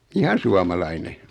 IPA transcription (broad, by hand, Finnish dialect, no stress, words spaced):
ihɑn̞ suɑmɑlɑine